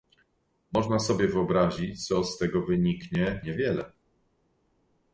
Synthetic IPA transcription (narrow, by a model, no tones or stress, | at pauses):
mɔʐnasɔbʲjɛvɘɔbɾaʑit͡ɕt̪sɔst̪ɛɡɔvɘɲikɲɛɲɛvʲjɛlɛ